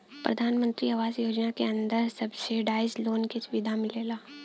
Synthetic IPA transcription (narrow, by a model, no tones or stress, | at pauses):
pɾɐ̰d̪ʱaːnmə̃nt̪ɾiɐʋaːzjoːd͡ʒnakeɐ̃nd̪əɾsɐbseɖaːɪzloːnkesʊʋɪd̪ʱamɪleːlaː